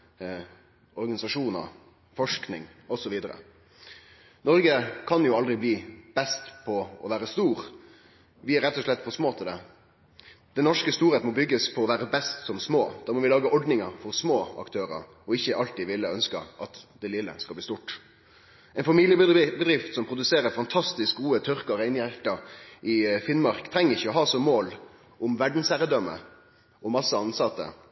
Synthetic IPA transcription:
ʔɔɾɡɑnɪsɑʂuːnə̰ɾ | fɔʂknɪŋɔsɔʋiːd̪əɾə̰ | nɔɾɡəkʰɑnjʊɑld̪ɾɪbliːb̥ɛst̪pʰɔɔ̰ʋæːɾəst̪uːɾ | ʋɪæɾɛt̪ːɔʂɭɛt̪ːfɔsmoːt̪ʰɪld̪ɛ | d̪ɛnnɔʂkəst̪uːɾeːt̪mɔbʏɡːəspʰɔɔʋæːɾəbɛst̪sɔmsmoːd̪̥ɑːɾmɔʋɪlɑːɡəʔɔɖnɪŋəɾfɔɾsmoːɑ̰kt̪ʰøːɾə̰ɾ | ɔɪçːəʔɑlt̪iːʋɪlːəœnskə̰ʔɑt̪d̪ɛlɪlːə̰skɑlb̪liːst̪uʈ | ʔɛɪnfɑmilɪjəbbəd̪ɾɪft̪sɔmpʰɾʊd̪ʉseːɾəɾfɑnt̪ʰɑst̪ɪsk̚ɡuːət̪ʰœɾkəɾæɪnjæɾkɑɾʔɪfɪnmɑɾkt̪ʰɾɛŋːəɾɪçːəɔɦɑːsɔmoːl | ʊmʋæɖn̩sæɾəd̪œmːə̰ | ɔmɑsːəɑnsɑt̪ːə̰

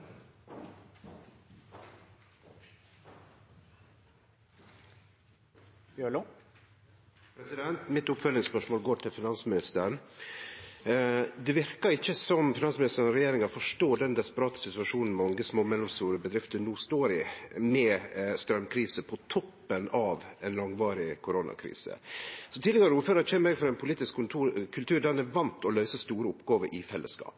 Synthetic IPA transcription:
bjøɭu | pʰɾɛsɪd̪ɛnt̪mɪt̪ʊpfœlːɪŋspœʂmoːlɡoːʈʰɪlfɪnɑnsəmɪnɪst̪əɾəɳ | d̪ɛʋɪɾkəɾɪçːəsɔmfɪnɑnsmɪnɪst̪əɾənɔɾɛjeːɾɪŋɑfɔʂʈoːɖɛnd̪ɛspəɾɑːt̪ə̥sɪt̪ʉɑʂuːnn̩mɛʊŋɡəsmoːmɛlːɔmst̪uːɾəbəd̪ɾɪft̪ənuːst̪oːɾɪmɛst̪ɾœmkʰɾiːsəpʰɔt̪ʰɔpːənɑʋɛnlɑŋʋɑːɾɪkʰʊɾonɑ̰kʰɾḭːsə̰sɔt̪ɪd̪ɛɡəɾəuːɾføːɾɑçɛːməɾɛɡfɔɾɑɛɪnpʰʊliːt̪ɪsk̪ʰːkʰʉlt̪ʰʉːɾɖænæʋɑnt̪ʰɔlœʏsəst̪uːɾəʊpɡɑːʋəɾʔɪfɛlːə̰skɑ̰ːp

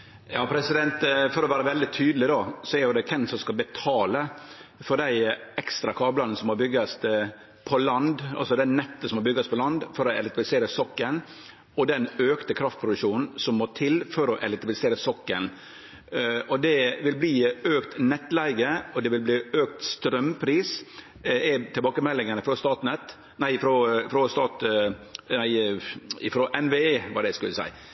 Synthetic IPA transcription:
jɑːpʰɾɛsɪd̪ɛnt̪fɔɾɔʋæːɾəʋɛld̪ɪt̪ʰyːd̪l̩ɪd̪ɑsɔæɾjʊd̪ɛkʰɛnsɔmskɑlbɛt̪ʰɑːlə | fɔɾɖ̪æɪɛkst̪ɾɑkʰɑːblɑnəəsɔmhɑbʏɡɑs | pʰɔlɑnd̪ʔɑ̰lsɔd̪æɪnɛt̪ːəsɔmhɑɾbʏɡːɑspʰɔlɑnd̪fɔɾɔɛlɛkt̪blɪseːɾəsɔkːən | ɔd̪ɛnøːkt̪əkʰɾɑft̪pʰɾʊd̪ʉʂuːnn̩sɔmːoːt̪ʰɪlfɔɾɔʔɛlɛt̪ɪbɪlɪseːɾəsɔkːən | ɔd̪ɛʋɪlbliːøːkt̪nɛt̪ːlæɪɡəɔd̪ɛʋɪlbliːøːk̚t̪st̪ɾœmpʰɾiːs | æt̪ʰɪlbɑːkəmɛlːɪŋənəfɾost̪ɑːt̪nɛt̪ː | næɪɪfɾɔfɾɔst̪ɑːt̪ | næɪɪfɾoʔɛnʋeeːʋɑɖ̪ɛskʉlːəsæ̰ɪ

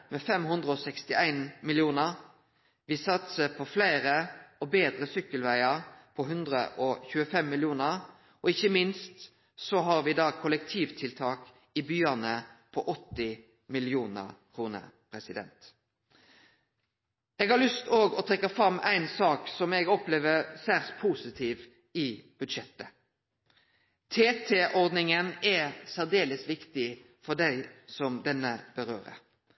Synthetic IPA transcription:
mɛːfɛmɦʉnd̪ʁəɔsɛkst̪ɪæɪnmɪljuːnəʁ | ʋɪsɑt̪səpʰɔflæɪʁəɔbeːd̪ʁəsʏkːəlʋæɪɑʁpʰɔɦʉnd̪ʁə̰ʔɔçʉːəfɛmːɪljuːnəʁ | ɔɪçəmɪnst̪ | sɔɦɑʁʋɪd̪ɑːkʰʊlək̚t̪ʰiːʋt̪ʰɪlt̪ʰɑːk | ɪbyːənəpʰɔʔɔt̪ːɪ | mɪljuːnə̰ʁkʰʁuːnə̰pʰʁɛsɪd̪ɛ̰nt̪ | ɛːɡɑʁlʉst̪oːɡɔt̪ʰɾɛkːɑfɾɑmʔæ̰ɪnsɑːksɔmɛɡɔpleːʋəʁsæʁt̪pʰuːsɪt̪ʰiːʋ | ɪb̥ʉd̪ʃɛt̪ːə | t̪ʰeːt̪ʰeʔɔʁd̪nɪŋənɛsæʁd̪eːləsʋɪkt̪ɪ | fɔd̪æɪsɔmd̪ɛnːəb̥əʁøːʁə̰

